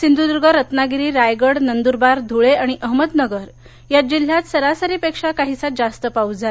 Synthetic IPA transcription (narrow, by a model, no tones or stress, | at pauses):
sind̪ud̪uɾɡəɾət̪naɡiɾiːɾajɡəɽnənd̪uɾbaɾd̪ʱuɭeaɽ̃iʔəɦməd̪nəɡəɾ | jad͡ʑil̤ːjat̪səɾasəɾiːpekʂakaɦisat̪̚d͡zast̪əpaud͡za